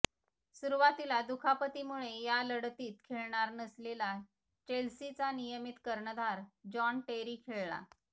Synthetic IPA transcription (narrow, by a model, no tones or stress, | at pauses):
suɾuʋat̪ilad̪ukʰapət̪imuɭejaləɽt̪iːt̪kʰeɭɳ̃aɾnəslela | t͡ɕelsit͡sanijəmit̪kəɾɳəd̪aɾd͡ʑɔɳʈeɾiːkʰeɭla̰